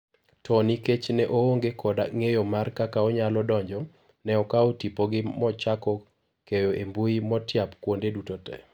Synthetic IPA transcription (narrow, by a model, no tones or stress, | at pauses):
tʰɔniket͡ʃnɛʔooŋɡekʰɔda̰ŋejomarkakaɔɲalɔdɔɲd͡ʒɔ | nɛɔkaotipoɡɪmɔt͡ʃakɔ | kejoʔembuimɔtjapkwondedutotɛ̰